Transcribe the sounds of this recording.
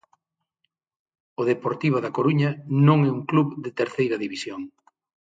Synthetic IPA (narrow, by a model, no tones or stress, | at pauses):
ʊðepoɾt̪iβoðɐkoɾuɲɐnõŋɛuŋkluβd̪ɪt̪eɾθejɾɐðiβisjoŋ